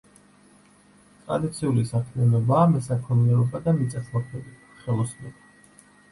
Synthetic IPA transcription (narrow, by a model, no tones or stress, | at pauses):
t̪ʼɾa̰d̪it̪sʰiulisakʰmianɔbaːmɛsakʰɔniɛɾɔbad̪amit̪sʼasʰmakʰmɛbit̪ʰ | χɛlˠɔsmnɛba